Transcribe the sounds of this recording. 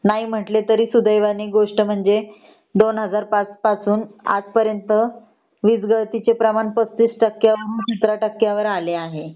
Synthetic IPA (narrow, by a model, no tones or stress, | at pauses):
naiːm̤əʈlet̪əɾiːsud̪əjʋaniːɡoʂʈəm̤əɳd͡ze | d̪onɦəd͡zaɾpat͡spat͡suːna̰d͡zpəɾjənt̪ə | ʋid͡zɡəɭt̪it͡ɕepɾəmaɳpət͡st̪iːsʈəkjaʋəɾuːnt͡ɕit̪ɾaʈəkːjaʋəɾaleaɦe